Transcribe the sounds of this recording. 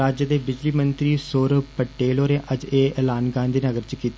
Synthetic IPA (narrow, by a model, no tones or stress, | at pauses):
aːd͡ʒəd̪eːbɪd͡ʒliːmənt̪ɾiːsoːɾəbpəʈeːloːɾeːʔəd͡ʒeːɛːlaːnɡãːnd̪iːnəɡəɾt͡ʃkiːt̪